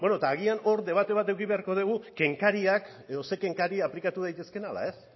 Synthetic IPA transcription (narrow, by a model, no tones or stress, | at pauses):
be̞not̪aːɣ̞iano̞ɾd̪e̞β̞at̪e̞β̞at̪e̞wkiβe̞aɾko̞ð̞eɣ̞uke̞ŋkaɾiak | eðo̞se̞ke̞ŋkaɾiaplikat̪uð̞ajt̪e̞ske̞nala̰e̞s